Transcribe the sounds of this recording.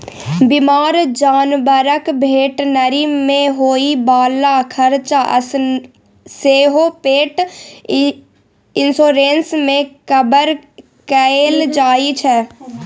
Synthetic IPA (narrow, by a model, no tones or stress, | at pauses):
bɪmaːɾd͡ʒaːnbəɾəkbʱeːʈnəɾimẽɦoːibaːlakʰəɾt͡ʃaʔə̰s | seːɦoːpeːʈ | ɪnsoːɾeːnsmẽkəbəɾ | kəeːld͡ʒaːit͡ʃʰɛː